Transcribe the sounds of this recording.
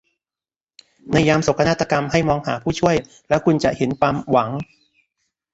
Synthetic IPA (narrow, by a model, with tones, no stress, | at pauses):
na˧jːaː˧mso˨˩kʰːa˧naː˥˩t̪ːa˧ka˧mɦa˥˩jmɔː˧ŋɦaː˩˦pʰuː˥˩t͡ɕʰu˥˩əj | lɛː˦˥wkʰu˧nt͡ɕa˨˩ʔhe˩˦npaː˧mwa˩˦ŋ